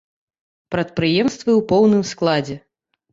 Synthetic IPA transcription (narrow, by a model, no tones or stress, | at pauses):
pɾɐt̪̚pɾɨjɛmst̪vɨwpɔwnɨmsklˠad͡zʲɛ